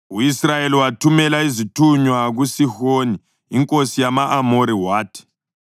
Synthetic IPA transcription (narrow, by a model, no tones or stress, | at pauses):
uisrajeliwatʰumɛlaizitʰuɲwaɣusixoniː | ŋkʼosijamaʔamoɾiwaːtʰi̥